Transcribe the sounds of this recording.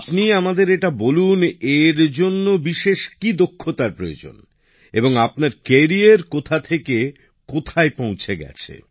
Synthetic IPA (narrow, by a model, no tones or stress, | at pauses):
apniamad̪eɾeʈaboluneɾd͡ʑonːobiʃeʃkid̪okʰːot̪aɾpɾojod͡ʑo̰n | ḛboŋapnaɾkeɾieɾkot̪ʰat̪ʰeke | kot̪ʰaepõw̃t͡ɕʰeɡɛ̰t͡ɕʰḛ